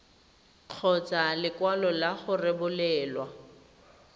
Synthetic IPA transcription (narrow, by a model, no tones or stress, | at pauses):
q͡χʰɔt͡salɪkwalɔlaχʊrɪbʊlɛːlwa